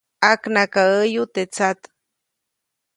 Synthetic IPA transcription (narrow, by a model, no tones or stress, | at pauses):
aknakaəjut̪et͡sat̪